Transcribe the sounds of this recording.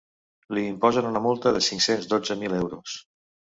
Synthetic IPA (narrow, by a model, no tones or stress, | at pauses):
liːmpɔzənunəmulˠt̪əðəsiŋksenzd̪od͡zəmilɛwɾus